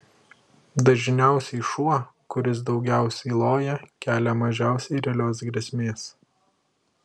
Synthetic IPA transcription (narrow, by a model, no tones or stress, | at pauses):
d̪ɐʒʲnʲɛˑʊsʲɛɪʃuɔkʊɾʲɪs̬d̪ɒʊɡʲɛˑʊsʲɛɪlˠoːjɛkʲæːlʲɛmɐʒʲæˑʊsʲɛɪɾʲɛlʲoːs̬ɡɾʲɛsʲmʲeːs